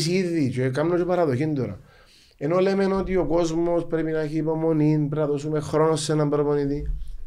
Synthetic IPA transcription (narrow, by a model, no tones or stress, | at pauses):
siðit͡ʃekamnotopɐɾɐðo̞çind̪oɾɐ̰ | e̞no̞le̞me̞not̪io̞ko̞zmo̞spɾe̞pinɐeçiːpo̞mo̞ninpɾɐðo̞sumexɾo̞no̞sːenɐmbɾoponit̪i